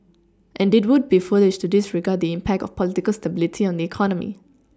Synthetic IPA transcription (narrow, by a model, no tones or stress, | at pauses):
ʔɛ̃ndɪt̚wʊd̚bifəlɪʃtudɪsɹiɡad̚d̪iɪ̃mpʰɛk̚tɔ̰fpʰɔlɪtikəlstəbɪlɪtʰiɔ̃nd̪iɛkʰɔnəmḭ